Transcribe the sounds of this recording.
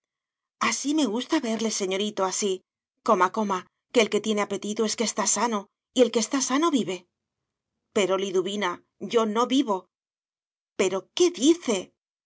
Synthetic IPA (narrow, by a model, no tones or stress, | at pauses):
asime̞ɣust̪aβe̞ɾle̞se̞ɲo̞ɾit̪o̞asi | ko̞mako̞ma | ke̞ːlke̞t̪je̞ne̞ape̞t̪it̪ue̞skest̪asano̞ | ie̞lkest̪asano̞βiβe̞ | pe̞ɾo̞liðuβina | ʝo̞no̞βiβo̞ | pe̞ɾo̞ke̞ðiθe̞